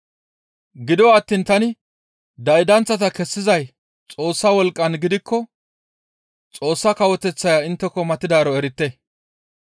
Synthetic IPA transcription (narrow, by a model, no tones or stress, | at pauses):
ɡɪd̪ɔwaːt̪ːiːnt̪ɐnɪ | d̪ɐjd̪ɐnt͡sːɐt̪ɐkɛsːɪzɐj | t͡sʼo̞ːsːɐwɔlkʼːɐnɡɪd̪ɪkːɔ | t͡sʼo̞ːsːɐkɐwɔt̪ɛt͡sːɐjaːɪnt̪ːɛkːɔmɐt̪ːɪd̪aːɾɔɛɾɪt̪ːɛ